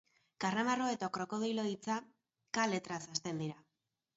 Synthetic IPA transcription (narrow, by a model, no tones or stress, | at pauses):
karamaro̞e̞t̪akɾo̞ko̞ðijloit͡sa | kale̞t̪ɾasast̪e̞nd̪iɾa